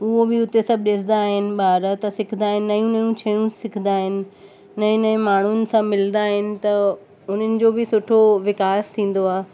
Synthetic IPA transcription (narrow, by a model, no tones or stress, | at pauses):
ʊɦobɪʊt̪esɐb̚ʱɗɪsɪ̃d̪aːɦɪnɪ̆baːɾət̪ɐsɪkʰnd̪aːɦɪnːɐjũnɐjũt͡ɕʰɐjũsɪk̪ʰd̪aːɦɪnɪ̆ː | ɐ̃ẽnɐẽmaːɳ̤ʊnɪ̆sãmɪlnd̪aːɦɪnɪ̆t̪ɐ | ʊn̤ənɪ̆d͡ʑoːbɪsʊʈʰoʋɪkaːst̪ʰĩːn̆d̪oaː